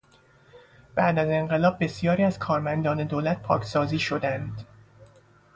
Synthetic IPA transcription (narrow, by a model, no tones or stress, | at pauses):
b̥æʔd̪æze̞ɴɢe̞lɒːb̚ːe̞sijɒːɾiːæz̥kʰɒːɾmænd̪ɒːne̞d̪oːlæt̪̚pʰɒ̰ːkʰsɒːziːʃo̞d̪ænd̪̥